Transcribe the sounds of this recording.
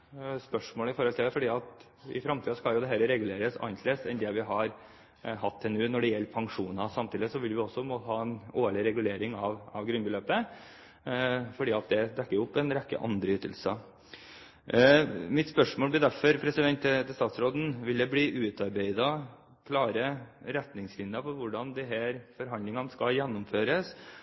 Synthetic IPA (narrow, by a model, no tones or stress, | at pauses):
spœʂmoːləɪfɔɾhɔlt̪ʰɪlæɾfɔɖiːɑt̪ | ɪ̰fɾɑmt̪ʰiːskɑljʊd̪ɛɦɛːɾəɾɛɡʉleːɾəsɑ̰ɪnt̪ʰleːsɛnd̪ɛʋɪɦɑɾ | ɦɑt̪ʰːɛnʉːnɔɖɛjɛlːpʰɑŋʂuːnɑsɑmt̪ʰiːd̪ɪəsɔʋɪlʋɪɔsːɔpʰɔnmoːt̪əhɑːɛnoːɭɪɾɛɡʉleːɾɪŋɑʋɑʋɡɾʉnbəløːpə | fɔɖiːɑt̪̚d̪ɛd̪ɛkːəɾʊpːɛnɾɛkːə̰ʔɑ̰nd̪ɾəʏt̪ːə̰lsə | mɪt̪spœʂmoːlbɪd̪æɾfɔɾpʰɾɛsɪd̪ɛnt̪ːt̪ʰɛst̪ɑːt̪sɾoːd̪n̩ʋɪld̪ɛbliːʔʉːt̪ɑɾbeɪd̪ɑ | kʰlɑːɾəɾɛt̪nɪŋslɪnd̪əfɔɾʋʊɖɑnd̪ɛɦæːɾfɔɾɦɑnd̪ɪŋɑnəskɑjɛnːʊmføːɾəs